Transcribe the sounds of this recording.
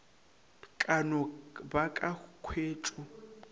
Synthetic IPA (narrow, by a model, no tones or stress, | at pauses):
kʼanɔbakʼaɣukʰweːt͡ʃʼu